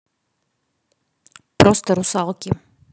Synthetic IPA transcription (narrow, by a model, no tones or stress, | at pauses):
pɾost̪ɐɾusalˠkʲɪ